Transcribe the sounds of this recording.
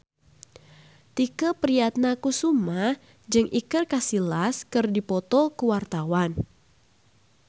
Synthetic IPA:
t̪ikəpɾijat̪̚nakusumah | d͡ʒɨŋʔikɨrkasilaskɨrdipɔt̪ɔkəwart̪awan

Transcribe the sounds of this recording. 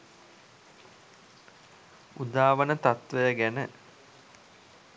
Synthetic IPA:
ud̪aːʋənət̪at̪ʋəjəɡænə

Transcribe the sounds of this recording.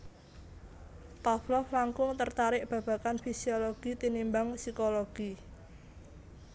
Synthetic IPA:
paflɔhlaŋkʊŋt̪ərt̪aɾɪʔb̥ä̤b̥a̤kanfisioloɡ̥it̪inimbaŋsikoloɡ̥i

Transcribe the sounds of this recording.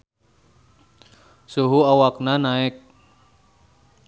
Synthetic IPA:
suɦuawaknanaɛk̚

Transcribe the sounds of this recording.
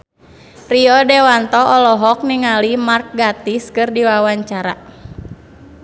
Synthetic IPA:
riɔdɛwant̪ɔʔɔlɔɦɔk̚niŋalimark̚ɡat̪iskɨrdiwawaɲt͡ʃaɾa̰

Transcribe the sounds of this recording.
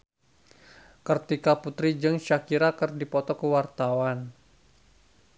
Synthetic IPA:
kərt̪ikaput̪ɾid͡ʒɨŋʃakiɾakərdipɔt̪ɔkəwart̪awan

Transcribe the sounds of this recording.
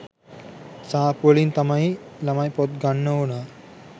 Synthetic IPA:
sapolint̪ɐmailɐmajpɔt̪̚ɡaɳːəona

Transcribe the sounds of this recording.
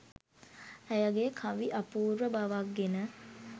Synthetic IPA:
æjaɡekʰãʋiʔɐpuːɾʋəbaʋakːenə

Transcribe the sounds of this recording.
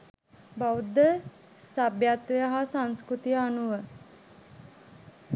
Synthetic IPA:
baud̪ːə | sabjat̪ʋejaɦasaŋskɾut̪ijəanuʋə

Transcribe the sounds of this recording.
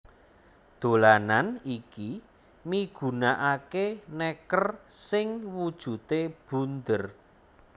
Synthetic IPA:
d̪̥olananiki | miɡ̥ṳnaʔakenɛkərsɪŋwud̥ʒ̥ṳt̪eb̥ṳnd̪ər

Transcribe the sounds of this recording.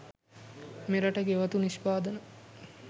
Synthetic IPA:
meɾɐʈəɡeʋɐt̪uniʃpaːd̪ənə

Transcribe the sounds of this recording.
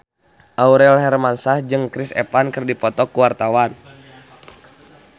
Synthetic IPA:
ʔauɾɛlɦɛrmansahd͡ʒɨŋkɾisɛ̰pankɨrdipɔt̪ɔkuwart̪awan

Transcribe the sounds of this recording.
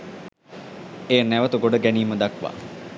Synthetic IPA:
eːnæʋət̪əɡoɖəɡæniːməd̪akʋa̰ː

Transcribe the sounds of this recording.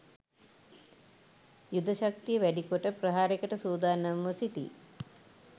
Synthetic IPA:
jud̪ʱɐʃɐk̚t̪ijɐʋɛɖikoʈɐpɾɐɦaːɾikɐʈɐsuːd̪aːnɐmʋɐsiʈ̪ḭ

